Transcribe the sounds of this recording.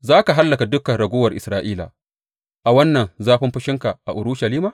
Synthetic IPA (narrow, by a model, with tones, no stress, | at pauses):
zaː˦ka˨ɦa˦lːɐ˨ka˨dʊ˦kɐ˨nɾɐ˨ɡʷʊː˦wɐ˨rʔɪ˨sɾaː˦ʔiː˦la̰ː˨ | ʔa˨wɐ˦nːɐ˨nzaː˦ɸɪ˦mɸɪ˦ʃɪ˦ŋka˨ʔa̰˨ʔʊ˨ɾuː˦ʃa˨liː˦maː˨